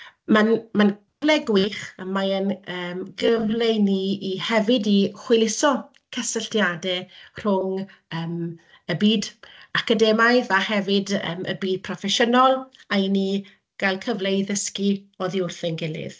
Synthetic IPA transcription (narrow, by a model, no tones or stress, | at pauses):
manman | əvlɛɡwɪχəmaənəːmɡəvlejniːhɛvɪdiχwɪlɪsɔ | kʰəsəɬtjadɛr̥ʊŋ | əːm | əbiːdakədɛmajðahɛvɪdə̰mʔə̰biːd̚pʰrɔfɛʃənɔlˠaini | ɡ̥alˠkʰəvlejðəskiɔðiʊrθɪnɡɪlˠɪ̰ð̥